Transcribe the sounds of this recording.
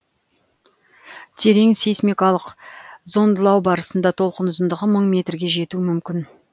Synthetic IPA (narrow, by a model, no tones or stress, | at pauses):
t̪ʰe̞ɾe̞ŋsejsmikɑlˠəqzo̞nd̪əlˠɑwbɑɾəsənd̪ɑt̪ʰo̞lˠqənʊzənd̪əʁəməɴmʲe̞t̪rɡʲe̞ʒe̞t̪uɪmʏmkʲɪn